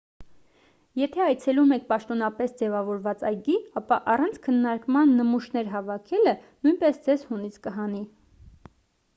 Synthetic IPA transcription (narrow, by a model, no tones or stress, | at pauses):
jɛt̪ʰɛɑjt͡sʰɛlumɛk̚ʰpɑʃt̪ɔnɑpɛsd͡zɛvɑvɔɾvɑt͡sɑjɡiɑpɑʔɑrɑnt͡sʰkʰənːɑɾkmɑnːəmuʃnɛɾɦɑvɑkʰɛlənujnpɛsd͡zɛzhunit͡sʰkəɦɑni